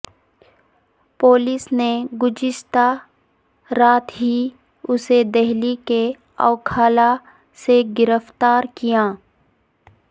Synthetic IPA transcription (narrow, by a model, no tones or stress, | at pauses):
poːlɪsneɡʊd͡ʒɪʃt̪a | ɾaːt̪ɦi | ʊsed̪ɛɦlike | ɔ̰ːkʰaːla | seɡɪɾəft̪aːɾkijaː